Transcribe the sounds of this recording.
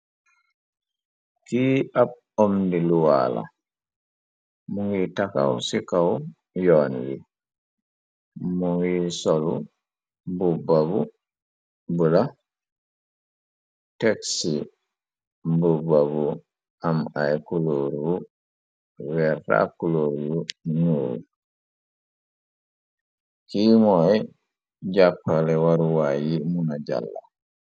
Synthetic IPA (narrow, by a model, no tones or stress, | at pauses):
kiːab̚ | omdiluwa̰ːla̰ | muŋɡitaka̰wsikaw | jɔːnɡi | muŋɡisolṵ | bubabu | bula | teksi | bubabu | amajkuloɾiu | wɛɾta̰kuloɾiwuɲulṵ | kiːmɔj | d͡ʒapːalɛwaɾuwajimunad͡ʒa̰lːa̰